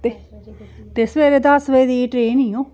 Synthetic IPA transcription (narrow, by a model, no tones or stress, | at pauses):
t̪e | t̪esʋeːɾed̪əsʋejd̪iːʈɾeːniõː